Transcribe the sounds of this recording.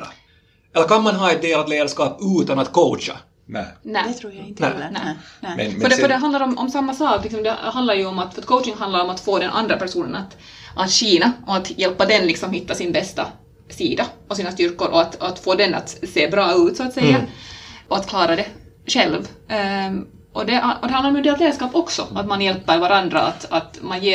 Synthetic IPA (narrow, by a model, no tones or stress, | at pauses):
ɛlːəɾkʰanmanɦɑːɛt̪̚d̪eːlat̪leːd̪æʂkɑːpʉːt̪anat̪kʰoːt͡ʃa̰ | nɛnæɾːj̪æ̰nɛ̰nɛ̰fœɛfœdɛɦand̪aɾɔmʔɔ̰msamːasɑːklɪksɔmd̪ɛɦand̪laɾjɵɔmat̪fœɾɛt̪kʰoʊtɪŋɦand̪laɾɔmat̪foːd̪ɛnʔa̰nd̪ɾapæʂuːnə̰nat̪ | ʔat̪ɕiːnaʔɔat̪jɛlpːad̪ɛnlɪksɔmhɪt̪ːasɪnbɛst̪a | siːd̪aɔsiːnast̪ʏɾkʊɾʔɔat̪at̪foːd̪ɛna̰t̪seːbɾɑːʉːt̪sɔat̪sɛjːaɔat̪kʰlɑːɾad̪ɛ | ɕɛlv | ʔɔd̪ɛɔd̪ɛhand̪laɾmɔd̪eːlt̪leːd̪ʂkɑːpɔksɔa̰t̪manjɛlpːəɾvaɾand̪ɾa̰a̰t̪at̪manjeː